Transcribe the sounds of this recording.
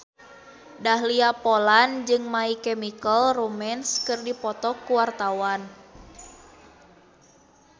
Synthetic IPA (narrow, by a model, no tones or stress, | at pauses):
daɦliapɔland͡ʒɨŋmaikɛmikəlrumɛnskɨrdipɔt̪ɔkːuwart̪awan